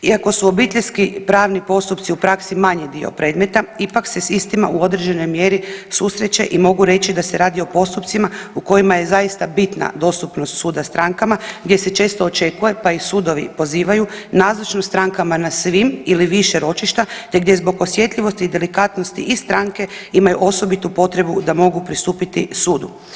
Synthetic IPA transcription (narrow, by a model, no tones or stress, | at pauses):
iako̞suo̞bit̪eʎʲskipɾaːʋnipo̞st̪upt̪siupɾaksimaɲed̪io̰pɾe̞ːd̪me̞t̪aipakse̞sist̪ima̰ʔuo̞d̪ɾed͡ʑe̞no̞jmje̞ɾisusɾe̞t͡ʃe̞̰ʔimo̞ɡuɾe̞t͡ɕid̪ase̞ɾaːd̪io̞po̞st̪upt̪simauko̞jimaje̞zajist̪abit̪na̰d̪o̞st̪upno̞st̪suːd̪ast̪ɾaŋkamaɡd̪je̞se̞t͡ʃe̞ːst̪o̞ot͡ʃe̞kuje̞paisuːd̪o̞ʋḭpo̞ziːʋajunaːzɾot͡ʃnost̪ɾaŋkamanasʋimiliʋiʃe̞ɾo̞t͡ʃiʃt̪at̪e̞ɡd̪je̞zbo̞ɡo̞sje̞t̪ʎʲiʋo̞st̪iːd̪e̞likaːt̪no̞st̪ḭʔist̪ɾaŋke̞imajuʔo̞so̞bit̪upo̞t̪ɾe̞bud̪amo̞ɡupɾist̪uːpit̪isuːd̪ṵ